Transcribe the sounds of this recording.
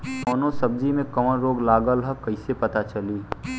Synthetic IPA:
koːnosɐb̚d͡ʒimẽkɐmənɾoːɡlaːɡəlɦəkɐɪsepɐt̪at͡ʃɐliː

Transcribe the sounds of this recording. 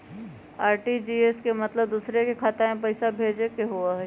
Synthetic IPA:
aːɾʈid͡ʒiːeːskemɐt̪ləb̚d̪uːsɾekekʰaːt̪emẽpɐɪsabʱeːd͡ʒekeɦuaɦɛ

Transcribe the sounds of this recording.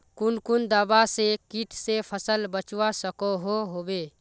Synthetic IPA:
kʊnkʊnd̪aːbasekiʈʰsepʰəsəlbət͡ʃwasəkoɦoɦoːbeː

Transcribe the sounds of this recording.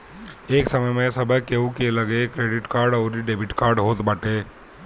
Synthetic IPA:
eːksɐməjmesɐbʱəkeũkelɐɡekɾeːɖɪʈkaːɾɖɔːɾiɖeːbʱɪʈkaːɾɖɦoːt̪bəʈeː

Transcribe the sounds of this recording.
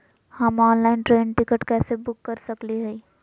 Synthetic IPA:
hɐmɔːnlaːɪnʈɾeːnʈɪkəʈkɛːsebʊkːɐɾsɐkliɦɛ

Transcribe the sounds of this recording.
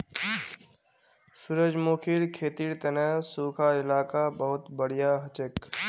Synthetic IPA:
sʊɾəd͡ʒmoːkʰiɾkʰeːt̪iːɾt̪ɐnɛːsuːkʰaɪlaːkabəɦʊt̪bəɽ̤ijaːɦɐt͡ʃek

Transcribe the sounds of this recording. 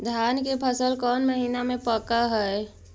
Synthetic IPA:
d̪ʱjaːnkepʰəsəlkɔːnməɦiːnamẽpəkaɦɛɛ

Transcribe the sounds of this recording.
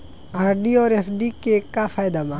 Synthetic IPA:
aːɾɖiɔːɾefɖikekːafaːjd̪amã

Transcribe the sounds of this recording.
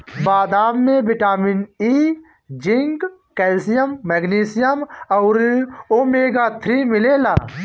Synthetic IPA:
baːd̪aːmːẽbɪʈaːmɪniː | d͡ʒɪŋɡ | kɛːlsijəmːɛɡniːsijəmɔːɾoːmeːɡaːt̪ʰɾimɪleːla̰ː

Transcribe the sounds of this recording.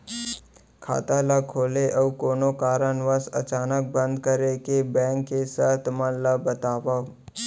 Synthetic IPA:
kʰa̰ːt̪alakʰoːleʔəwkoːnokaːɾənʋəsə̰t͡ʃaːnək̚bə̃nd̪kəɾekebɛ̃ːŋkːesat̪ʰmə̃ləbət̪aːʋa

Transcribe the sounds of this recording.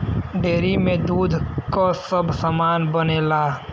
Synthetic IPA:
ɖeːɾimẽd̪uːd̪ʱkosəbʱsəmaːnbəneːlaː

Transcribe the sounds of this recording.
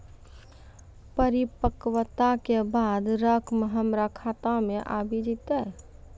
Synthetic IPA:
pəɾipəkwət̪akebaːd̪ɾəkʰmɦəmɾakʰaːt̪amẽʔaːbʱid͡ʒit̪a

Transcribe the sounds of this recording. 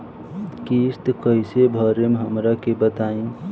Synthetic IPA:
kist̪kəisebʱəɾemeɦəmɾakebət̪ain

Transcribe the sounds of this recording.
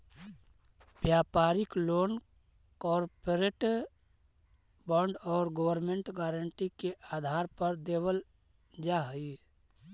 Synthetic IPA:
bjaːpaːɾɪkloːn | kɔːɾpoɾeːʈ | bɔ̃ɳɖɔːɾɡəwəɾmẽɳʈɡaːɾəɳʈikeʔaːd̪ʱaːɾpəɾd̪eːwəl | d͡ʒaɦi

